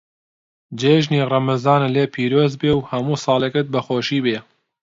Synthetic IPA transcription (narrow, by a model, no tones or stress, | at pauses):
d͡ʒeːʒniːrˤɐmɐzɑːnleːpʰiːɾoːzbeːwhɐmuːsɑːlekɨt̪̚bɐxoːʃiːbeː